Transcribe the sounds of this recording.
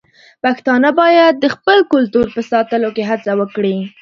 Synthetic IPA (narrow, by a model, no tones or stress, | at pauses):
paxt̪ɑnabɑjad̪̚ːəxpəlkʊlt̪uɾpəsɑt̪əlokeɦat͡sawəkɽi